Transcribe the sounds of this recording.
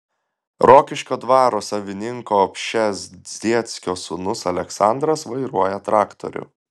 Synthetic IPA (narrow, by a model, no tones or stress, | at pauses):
ɾoːkʲɪʃʲkʲoːd̪ʋɑːɾoːsɐʋʲɪnʲɪŋkoːɔpʲʃʲɛszʲd̪ʲiɛt̪sʲkʲoːsʊnʊsɐlʲɛksɑˑnd̪ɾɐsʋɐɪɾuɔjɛt̪ɾɑːkt̪o̰ɾʲʊ̰